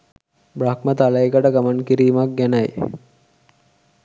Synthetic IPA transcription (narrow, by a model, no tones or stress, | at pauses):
brakmət̪aləekəʈəɡamankiɾiːmak̚ɡænaj